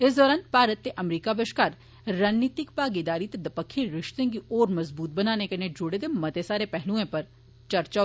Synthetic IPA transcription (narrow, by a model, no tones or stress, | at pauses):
ɪsd̪ɔːɾaːnpaːɾət̪ːeʔɐmɾiːkabɪʃkaːɾ | ɾaːnnːiːt̪ɪkpaːɡed̪aːɾit̪ed̪ɐpəkʰːiɾɪʃt̪ẽkioːɾmɐzbuːt̪̚bɐnaːnekened͡ʒʊɽed̪emɐt̪esaːɾepɛɦlũẽpɐɾ | t͡ʃɐɾt͡ʃa